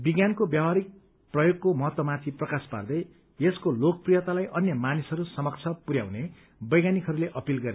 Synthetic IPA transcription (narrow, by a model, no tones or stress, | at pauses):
biɡjankobjawaɾik̚ | prʌjoɡkomʌɦʌt̪ːʌmat̪ʰiprʌkaspa̰rd̪ʌj | eskolok̚prijʌt̪alajʔʌnjʌmanisʌɾusʌmʌk̚t͡sʰʌpuɾja̰w̃ne | bʌjɡanikɦʌɾuleʔʌpilɡʌɾe